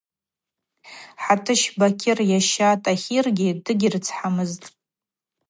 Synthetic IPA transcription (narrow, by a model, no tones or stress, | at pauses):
ħatʰɨʃbakʲʰɪrjaʃatʼaχʲirɡʲɪdɨɡʲɪrt͡sʰħamɨztʼ